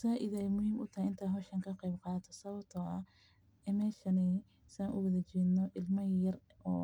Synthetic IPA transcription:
saːʔɪðɛjmʊhiːmʔʊt̪ʰɐhɛɪnt̪ʰaːɦɔʃɐŋkʰɐqejbqɑːt̪ʰɔsɐβɐbt̪ʰɔʔɐ | ɛːmɛːʃɐnɛ | sɐnʔʊwɐðɐt͡ʃɛːd̪nɔʔɪlmɐjɐr | ɔː

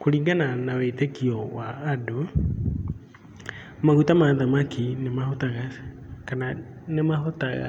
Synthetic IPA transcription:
koɾiːŋɡananaweitekiɔwaːdo | maɣutamaðamakinemahotaɣa | kana | nemahota̰ɣa̰

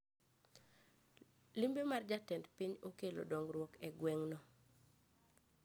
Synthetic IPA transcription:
limbemard͡ʒatɛntpiɲokelo̰doŋrwɔkɛɡwɛŋnɔ

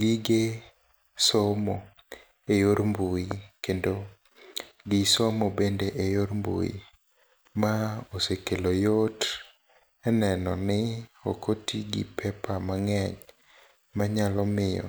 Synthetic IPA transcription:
ɡiɡe | somo | ejoɾmbuikendo | ɡɪsomobendeʔejoɾmbṵḭ | maosekelojot | ɛnɛnɔnɪokotiɡɪ̰pʰɛpamaŋɛɲ | maɲalɔmɪjɔ̰

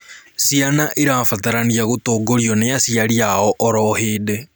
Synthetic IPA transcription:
sianaʔeɾaːfataɾaniaɣotoːɡoɾiɔnejasiaɾiaɔʔɔɾɔheːde

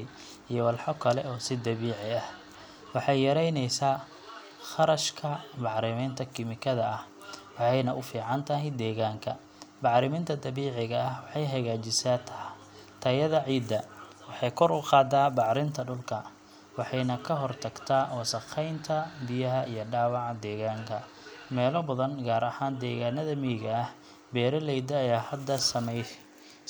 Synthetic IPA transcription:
ijɔwɑlħɔkʰɐlɛɔːsɪd̪ɐβiːʕɪɐh | wɑħɑjjɐɾɛjnɛjsaː | χɑɾɐʃkʰɐmɑʕɾɪmɛnt̪ʰɐkʰɪmɪkʰɐðɐʔɐh | wɑħɑjnɐʔʊfiːʕɑnt̪ʰɐɦɪd̪ɛːɣaːŋkʰɐ | bɑʕɾɪmɪnt̪ʰɐd̪ɐβiːʕɪɣɐːhwɑħɑjɦɐɣaːt͡ʃɪsaːt̪ʰɐ | t̪ʰɐjɐðɐʕiːd̪ːɐ | wɑħɑjkʰɔɾʊqɑːd̪aːbɑʕɾɪnt̪ʰɐɖʊlkʰɐ | wɑħɑjnɐkʰɐɦɔrt̪ʰɐɡt̪ʰaːwɑsɐqɛjnt̪ʰɐbɪjɐɦɐijɞɖaːwɑʕɑd̪ɛːɣaːŋkʰɐ | mɛːlɔbɐðɐnɡaːɾɐhaːnd̪ɛːɣaːnɐðɐmiɣɐɐh | bɛːɾɐlɛjd̪ɐːjaːhɐd̪ːɐsɐmɛj

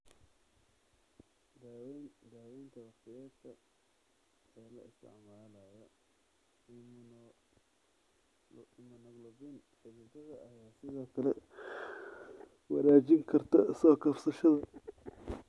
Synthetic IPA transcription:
d̪awnd̪aːwɛjnt̪ʰɐwɑqt̪ʰɪjaːd̪kʰɐ | ɛːlɐɪst̪ʰɪ̰ʕmaːlɐjɔ | ɪmn | ɪmɐnɐɡlɐβɛn | ħɪβʊd̪ɐðɐʔɐjaːsɪðɔːkʰɐlɛ | wɑ̰ɾaːt͡ʃɪŋkʰɐrt̪ʰɐ̰sɔːkʰɐfsɐʃɐðɐ

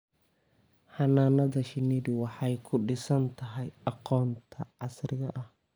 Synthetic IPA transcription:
ħɑnaːnɐðɐʃɪniːdɪwɑħɑjkʰʊɖɪsɐnt̪ʰɐɦɛjɑqɔːnt̪ʰɐʕɑsrɪɣɐʔɐh

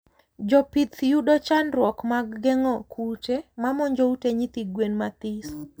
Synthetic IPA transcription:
d͡ʒɔpit̪judɔt͡ʃanrwɔkmaɡːɛŋɔkʰutemamɔɲd͡ʒouteɲit̪iɡwenmat̪ɪs

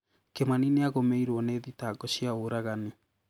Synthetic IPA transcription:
kemanineaɣomeiɾwɔneːðitaːɡɔɕiaoɾaɣane

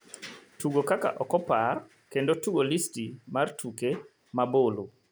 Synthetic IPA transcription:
tuɡokaka̰ʔɔkɔpar | kendotuɡolistimartʰuke | mabolu

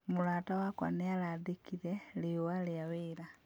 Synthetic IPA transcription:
mulwaːtawakwa̰nialaðikiɾeliowaljawiɾa

